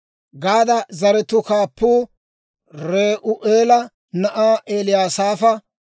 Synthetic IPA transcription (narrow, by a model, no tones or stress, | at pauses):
ɡaːd̪ɐzɐɾɛt̪ʊkaːpːuː | ɾeːʔʊʔeːlɐ | nɐʔaːʔeːlɪjaːsaːfɐ